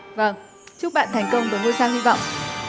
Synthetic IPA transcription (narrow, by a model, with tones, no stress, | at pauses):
və˧˩ŋ | t͡ɕu˦˥k̚ɓa̰ː˧˨nt̪ʰɛ˨˩jŋ̟kə˧wŋ͡mt̪ə˨˩˦ŋəː˧jsaː˧ŋhi˧vɔ̰˧˨wŋ͡mʔ